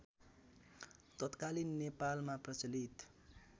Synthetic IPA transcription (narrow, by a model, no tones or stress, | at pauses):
t̪ʌt̪kalinːepalmaprʌt͡sʌlit̪